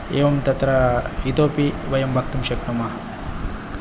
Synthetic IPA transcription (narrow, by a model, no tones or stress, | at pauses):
eːʋɐmt̪ɐt̪ɾɐit̪oːpiʋɐjɐmbʱɐk̚t̪umʃɐkt̪umɐɦɐ